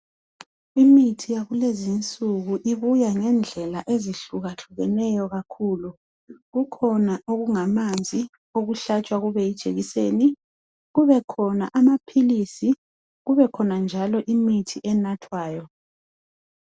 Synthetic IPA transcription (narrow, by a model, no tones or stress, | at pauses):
imitʰijaɣulezint͡sʼuɣuʔiβujaŋɛnd͡ɮʱɛlaʔeziɬuɣaɬuɣɛnɛjɔɣakʰuːlu | ɣukʰɔnaʔoɣuŋamand͡zʱi | oɣuɬat͡ʃʼwaɣuβɛjid̥ʒ̥ʱḛɣiseːni | ɣuβɛkʰɔna̰ʔamapʰilisi | ɣuβɛkʰɔnand͡ʒʱalɔʔimitʰiʔɛnatʰwaːjɔ